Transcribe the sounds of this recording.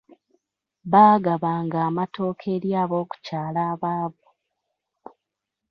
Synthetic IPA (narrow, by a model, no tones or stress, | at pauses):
βaːɡaβaːŋɡaːmato̞ːkʰe̞ɾjaːβo̞ːku̥caːlaːβaːβo